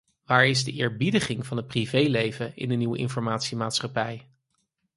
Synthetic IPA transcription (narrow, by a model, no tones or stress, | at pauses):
ʋaːɹɪzdəʔɪːɹbidəχɪŋvɑnɦət̚privejlejvəɪ̰ndəniwəʔɪ̰nfɔɹmaːtsimaːtsχɑpɛj